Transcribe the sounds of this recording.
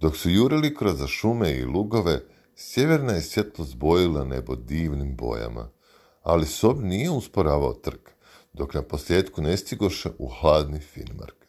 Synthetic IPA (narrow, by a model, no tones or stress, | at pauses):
d̪o̞ksujuːɾilikɾozaʃumeḭluɡo̞ʋe̞ | sje̞ʋe̞ɾnajesje̞t̪lˠosbo̞jilane̞̰bo̞d̪iːʋnimbo̞̰ja̰ma̰ | a̰liso̞bnije̞uspoɾaːʋao̰t̪r̩k | d̪̥o̞knapo̞slje̞ːt̪kune̞st̪iɡoʃeʔuxlˠaːd̪nifḭnma̰ɾk